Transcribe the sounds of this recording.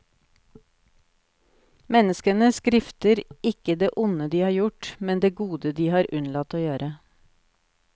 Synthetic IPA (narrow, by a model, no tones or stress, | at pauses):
mɛnəskənəskɾɪft̪əɾɪkəd̪eːʔʊnəd̪iːhɑːɾjʊʈmɛnd̪eːɡuːd̪əd̪iːhɑːɾʔʉnlɑt̪oːjøːɾə